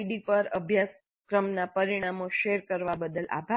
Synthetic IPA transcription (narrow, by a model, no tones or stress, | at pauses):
ɖipəɾəbʱjas | kɾəmnapəɾiɽ̃amoʃeɾkəɾʋabəd̪əlʔa̰bʱa